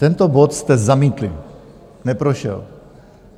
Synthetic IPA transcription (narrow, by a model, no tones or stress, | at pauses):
t̪ɛnt̪obo̞t̪st̪ɛzamiːt̪lɪ̰ | nɛpɾoʃɛ̰l